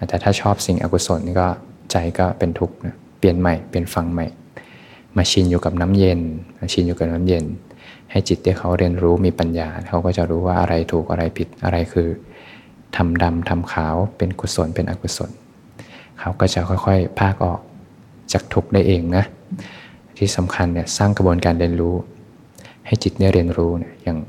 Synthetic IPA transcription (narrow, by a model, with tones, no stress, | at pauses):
t̪ɛː˨˩t̪ʰaː˥˩t͡ɕʰɔː˥˩p̚si˨˩ŋʔa̰˧ku˧so˨˩˦nkɔː˥˩ | t͡ɕa˧jkɔː˥˩pe˧nt̪ʰu˦˥k̚na˦˥ | pi˧ənma˨˩jpi˧˩ənfa˧ŋma˨˩j | maː˧t͡ɕʰi˧njuː˨˩ka˨˩p̚na˦˥mje˧nma˧t͡ɕʰi˧njuː˨˩ka˨˩p̚naː˦˥mje˧n | ha˥˩jt͡ɕi˨˩t̪̚t̪ːi˥˩kʰa˦˥wɾi˧ənɾuː˦˥miː˧pa˧njaː˧kʰa˦˥wkɔː˥˩t͡ɕa˨˩ɾuː˦˥waː˥˩ʔa̰˧ɾʔa˧jt̪ʰuː˨˩k̚ʔa˧ɾa˧jpʰi˨˩t̪̚ʔa̰˧ɾa˧jkʰɯː˧ | t̪ʰa˧mda˧mt̪ʰa˧mkʰaː˩˦wpe˧nkʰu˧so˨˩˦npe˧nʔa̰˧kʰu˧so̰˨˩˦n | kʰa˦˥wkɔː˥˩t͡ɕa˨˩kʰɔ˥˩jkʰɔ˥˩jpʰaː˥˩k̚ʔɔ̰ː˨˩k̚ | t͡ɕaː˨˩k̚t̪ʰu˨˩k̚da˥˩jʔeː˧ŋna˦˥ | t̪ʰiː˧˥˩sa˩˦mkʰa˧nːi˧˩ɐsaː˥˩ŋkʰa˧bu˧ənkaː˧nli˧ənɾuː˦˥ | ha˥˩jt͡ɕi˨˩t̪̚da˥˩jɾʔi˧ənɾuː˦˥ni˧˩ɐja˨˧˩ŋ